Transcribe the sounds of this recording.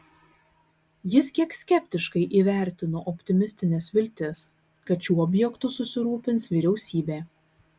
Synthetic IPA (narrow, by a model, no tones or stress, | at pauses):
jɪskʲiɛksʲkʲɛpʲt̪ʲɪʃkɐɪʔiːʋʲæˑɾʲt̪ʲɪnoːʔɔpʲt̪ʲɪmʲɪsʲt̪ʲɪnʲɛːsʋʲɪlʲt̪ʲɪs | kɐt̪t͡ʃʲuːɔbʲjɛkt̪ʊsʊsʲɪɾuːpʲɪnsʋʲiːɾʲɛʊsʲiːbʲeː